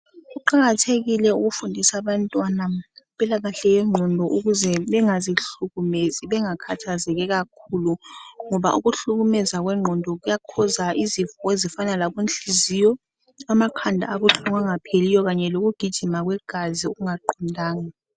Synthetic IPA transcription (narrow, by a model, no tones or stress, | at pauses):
uǃaɣatʰeɣilɛuɣufundʱisaβantʼwanaumpʼilaɣaɬɛjɛŋ͡ǃʱɔndʱɔʔuɣuzɛɓɛŋaziɬuɣumeziɓɛŋakʰatʰazɛkɛɣakʰuluŋɔβaʔuɣuɬuɣumɛzaɣ̬wɛŋ͡ǃʱɔndʱɔɣ̬ujakʰɔzaʔizivɔezifanalakunt͡ɬizijɔ | amakʰandʱa̰ːβuɬʰuŋaŋapʰelijɔɣaɲɛloɣ̬uɡ̥ʱid̥ʒ̥ʱimaɣ̬wɛɡ̥ʱaziuɣuŋaǃɔndʱaːŋa